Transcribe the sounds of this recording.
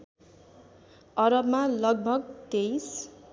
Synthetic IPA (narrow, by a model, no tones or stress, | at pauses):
ʌɾʌbmalʌɡ̚bʱʌɡ̚t̪ejs